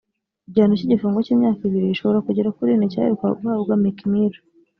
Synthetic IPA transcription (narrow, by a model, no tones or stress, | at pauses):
ibɟaːnociɟifuːŋɡociːmɲaːkiβiɾiiʃo̞βo̞ɾakuɟeɾakuɾineca̰eka̰ɡuaɡwamikimiɾu